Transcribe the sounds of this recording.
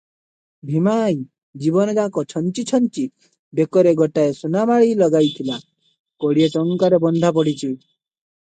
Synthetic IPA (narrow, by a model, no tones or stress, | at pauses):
bʱimaj | d͡ʒibɔnɔd͡ʒakɔt͡ʃʰɔnt͡ʃit͡ʃʰɔnt͡ʃi | bekɔɾeɡɔʈaesunamaɭilɔɡajt̪ʰila | koɽiet͡ʃɔŋkaɾebɔnd̪ʱap̬ɔɽit͡ʃʰi